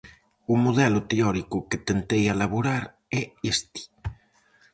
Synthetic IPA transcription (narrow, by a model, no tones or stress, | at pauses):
umoðɛlʊt̪eɔɾikuket̪ent̪ejalaβuɾaɾ | ɛest̪i̥